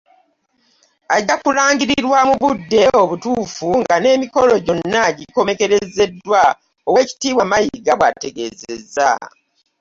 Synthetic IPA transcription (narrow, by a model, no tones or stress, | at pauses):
aɟakulaːŋɡiɾiɾwamuβudːe̞oβutuːfuŋɡane̞ːmiko̞lo̞ɟo̞nnːaɟiko̞me̞ke̞ɾe̞ze̞dːwa | oweci̥tiːβwamajiɡaβwa̰te̞ɡe̞̰ːzḛza̰